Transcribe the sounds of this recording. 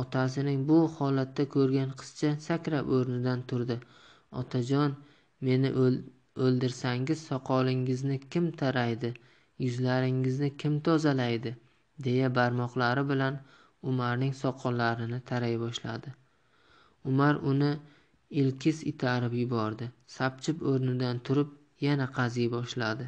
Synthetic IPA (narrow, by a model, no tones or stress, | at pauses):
ɒt̪ʰas̬ɪnɪŋbʊhɒlat̪ːakʲʰɵɾɡʲanqʰɨ̥st͡ʃʰasakʲɾapɵɾnɪd̪ant̪ʰʊɾd̪ɪ | ɒ̰t̪ʰad͡ʒɒn | me̞nɪ | ɵlˠd̪ɪɾsaŋɪz̥sɒqʰɒlˠɪŋɪznɪkʲʰɪmt̪ʰaɾajd̪ɪ | jʊzlaɾɪŋɪznɪkʲʰɪmt̪ʰɒzalajd̪ɪ | d̪e̞jabaɾmɒqlˠaɾɪbɪlan | ʊmaɾnɪŋsɒqʰɒllːaɾɪnɪt̪ʰaɾajbɒʃla̰d̪ɪ | ʊmaɾʊnɪ | ɪlkʲʰɪsɪt̪ʰaɾɪpjʊbɒɾd̪ɪsap̚t͡ʃʰɪpoɾnɪd̪ant̪ʰʊɾɪp̚ | janaqʰɑzijbɒʃlad̪ɪ